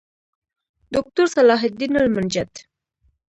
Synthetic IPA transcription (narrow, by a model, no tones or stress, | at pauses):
d̪ʊk̚t̪ʊɾsalɑɦɪd̪inalmʊnd͡ʒad̪